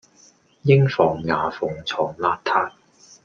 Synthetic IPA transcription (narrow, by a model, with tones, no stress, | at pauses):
jɪ˥ŋfɔː˨˩ŋːaː˨˧fʊ˨˩ŋt͡sʰɔː˨ŋlaː˧˥t̚t̪ʰaː˧t̚